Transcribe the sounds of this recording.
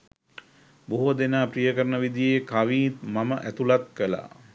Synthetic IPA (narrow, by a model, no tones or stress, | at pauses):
boɦod̪enaːprijəkəɾənəʋid̪ijekaʋiːt̪maməʔæt̪ulat̪̚kəla̰ː